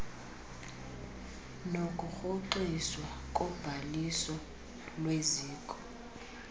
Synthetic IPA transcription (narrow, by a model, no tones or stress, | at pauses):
nokʼuxoǃiswakʼɔb̥ʱalisɔ | lweziːkʼɔ